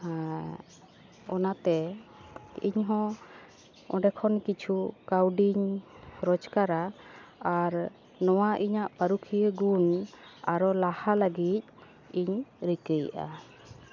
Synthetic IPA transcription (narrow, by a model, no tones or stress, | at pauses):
ɔnat̪ɛ | ḭɲɦɔ̃ | ɔ̰ɖɛkʰɔnkit͡ʃʰukawɖiɲɾɔd͡ʒkaɾaaɾ | nɔwaʔiɲaʔpəɾukʰijəɡunaɾɔlahalaɡit̪̚ | iɲɾikəjʔa̰